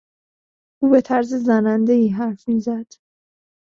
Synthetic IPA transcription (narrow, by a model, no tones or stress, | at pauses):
ʔuːbe̞t̪ʰæɾzezænænd̪e̞iːɦæɾfmiːzæd̪̥